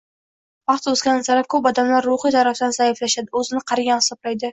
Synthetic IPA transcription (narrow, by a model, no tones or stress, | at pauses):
vɑχt̪ɵzɡʲanɪzaɾap̚kʰɵpɒd̪amlaɾːʊχijt̪ʰaɾafd̪anzaɪflaʃad̪ɪɵzɪnɪqʰɑɾɪɡʲanhɪ̥sɒblajd̪ɪ